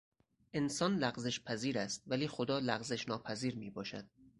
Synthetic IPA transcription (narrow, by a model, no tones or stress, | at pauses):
ʔensɒːnlæɣzeʃpʰæziːɾæst̪̚væliːxod̪ɒːlæɣze̞ʃnɒːpʰæziːɾmiːbɒːʃæ̰d̪̥̚